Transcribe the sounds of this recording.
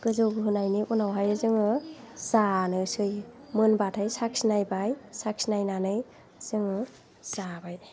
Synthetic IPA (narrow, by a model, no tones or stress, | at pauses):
kɯzɯwɡɯɦɯnajniunawɦajɯzɯŋɯz̥anɯsɯjmɯnbatʰajsak̚sinajbajsak̚sinajnanɯj | z̥ɯŋɯ | z̥abaj